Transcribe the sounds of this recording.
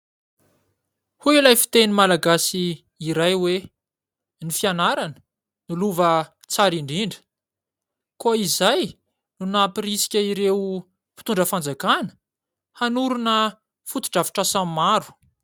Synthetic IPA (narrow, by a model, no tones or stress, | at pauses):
huilajfi̥t̪enimalaɡasiː | ɾajwe | nifianaɾanə̥ | niluvə | t͡saɾiɳɖ͡ʐiɳɖ͡ʐə̥ | koizaj | nunapirisi̥kʲəiɾe | pi̥t̪uɳɖ͡ʐəfand͡zakanə̥ | hanuɾunə | fut̪i̥ʈ͡ʂavi̥ʈ͡ʂasammaɾu̥